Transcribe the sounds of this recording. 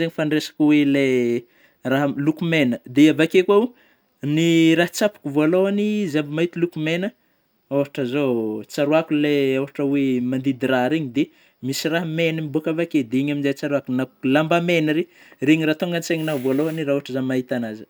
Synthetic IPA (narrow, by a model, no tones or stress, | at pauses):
zeɲifaɳresḁkuwele | raɦlukumenəd̪eavakekwau | niɾaɦt͡sapu̥kʲuvoaloanizabimait̪ilukumenə | awɦaʈ͡ʂəzot͡saɾuakuleawɦaʈ͡ʂəwemand̪id̪iɾaɾeɲid̪e | misiraɦmenimibuakavaked̪eiɲaminzet͡saɾuakunalambamenəɾereɲirat̪oŋɡant͡seŋinavoaloaniraɦuaʈ͡ʂəzamaɦit̪anazə̥